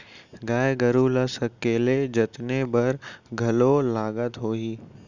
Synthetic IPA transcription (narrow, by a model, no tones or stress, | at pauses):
ɡaːjɡəɾuːlasɐkːeːled͡ʒɐt̪nebɐɾɡʱɐlolaːɡət̪ɦoːiː